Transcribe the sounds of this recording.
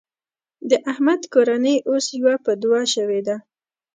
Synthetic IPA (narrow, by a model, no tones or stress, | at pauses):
d̪əʔahmad̪koɾanəjʔosjawapəd̪ʊwɑʃəwed̪a